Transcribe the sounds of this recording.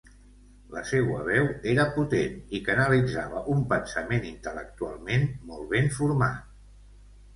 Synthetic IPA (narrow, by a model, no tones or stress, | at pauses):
ləsɛwə̰β̞ɛweɾəput̪enikənəlid͡zaβəʔumpənsəmenint̪ələ̰k̚t̪ua̰lˠmenmɔlˠβenfuɾma̰t̪